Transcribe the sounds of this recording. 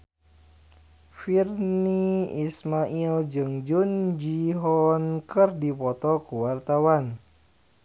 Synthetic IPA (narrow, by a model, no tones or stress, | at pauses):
firniismaʔild͡ʒɨŋd͡ʒund͡ʒiɦɔnkɨrdipɔt̪ɔkuwart̪awan